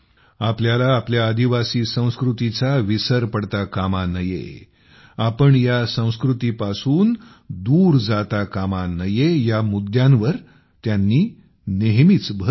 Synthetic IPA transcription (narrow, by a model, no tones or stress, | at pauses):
apljalaːpljaəd̪iʋasiːsə̃w̃skɾut̪it͡saʋisəɾpəɽt̪akamanəjḛ | apəɳjasə̃w̃skɾut̪ipasuːn | d̪uːɾd͡zat̪akamanəjejamud̪jãnʋəɾ | t̪janːiː | neɦmit͡sbʱə